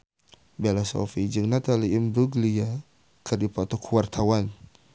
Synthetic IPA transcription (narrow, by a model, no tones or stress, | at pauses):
bɛlasɔ̰fid͡ʒəŋnat̪aliːmbɾuɡlia | kərdipɔt̪ɔkʰuwart̪ʰawan